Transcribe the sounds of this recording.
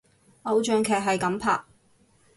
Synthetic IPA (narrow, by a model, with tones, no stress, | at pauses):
ʔɐ˨˧wt͡ʃœː˨ŋkʰɛː˨˩k̚ɦɐ˨jkɐ˨˥mpʰa̰ː˨k̚